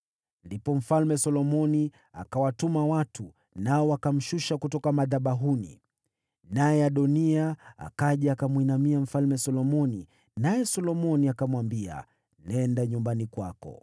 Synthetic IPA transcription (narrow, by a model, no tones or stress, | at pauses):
ndipɔm̩falmɛsɔlɔmɔni | a̰kawatumawatʰu | naɔwakam̩ʃuʃakutɔkamaðaɓaɦunḭ | najɛaɗɔniaa̰kaʄɛakamwinamiam̩falmɛsɔlɔmɔni | najɛsɔlɔmɔniakamwambia̰ | nɛndaɲumbanikwakɔ̰